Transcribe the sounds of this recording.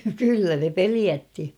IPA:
kylːæ ne peliætːi

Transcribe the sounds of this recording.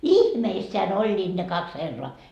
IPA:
ihmeisːeæn olʲːiːd̥ ne kɑks herːoɑ

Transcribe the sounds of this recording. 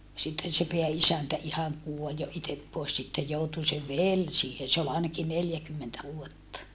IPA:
sitːen se peæisæntæ ihɑŋ kuolʲ jo itep poes sitːej joutu se ʋel siːhen̞ se ol ɑˑenɑki neljækymːentæ ʋuotːɑ

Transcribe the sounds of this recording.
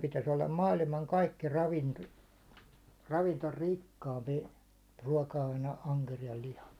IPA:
pitæs olːɑm mɑːlimɑŋ kɑikːi rɑʋinto rɑʋintorikːɑːmpi ruɑˑkɑɑine ɑŋkerijɑl lihɑ

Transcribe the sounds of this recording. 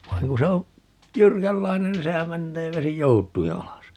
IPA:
ʋɑiŋ ku se o jyrkælːɑinen nin sehæm menːeː ʋesi joutˑui ɑlɑs

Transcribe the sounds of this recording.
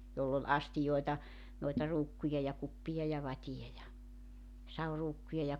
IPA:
jolː ol ɑstijoetɑ noitɑ ruːkːujɑ jɑ kupːijɑ jɑ ʋɑtij̆ɑ jɑ sɑuruːkːujɑ jɑ

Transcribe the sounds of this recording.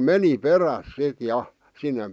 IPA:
meni peræs sit jɑ sinːem

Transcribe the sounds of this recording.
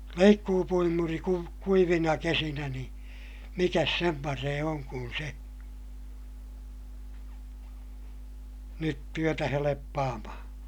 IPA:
leikːuːpuimuri kuʋ kuiʋinɑ kesinæ ni mikæs sem pɑreː oŋ kun se nyt tyøtæ helepːɑːmɑhɑ̃ː

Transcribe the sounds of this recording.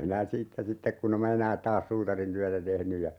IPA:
minæ siːtːæ sitːek kun em mɑ enæːt̆ tɑːs suːtɑrintyætæ tehny jɑ

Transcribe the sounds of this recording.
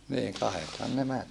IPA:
niːŋ kɑhethɑn ne mæn

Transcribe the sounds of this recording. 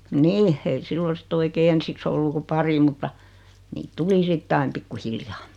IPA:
niː ei siːlo sitː oikeː ensiks olːu ku pɑri mutːɑ niːt tuli sitː ɑim pikːuhiljɑː

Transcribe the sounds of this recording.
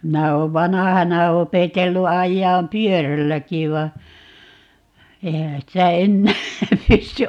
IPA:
minæ oːʋ ʋɑnɑhɑnɑ opetelːu ɑjːɑːm pyørælːæki ʋɑ eihæ sitæ enːæː pysty

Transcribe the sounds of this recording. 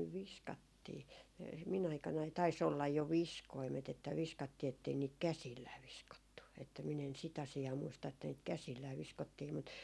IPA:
nyʋ ʋiskɑtːiː mi min ɑikɑnɑi tɑis olːɑj jo ʋiskoimet etːæ ʋiskɑtːiː etːei niːt kæsilːæː ʋiskotːu etːæ min en sit ɑsiɑː muistɑ etːæ niːt kæsilːæː ʋiskotːiː mut

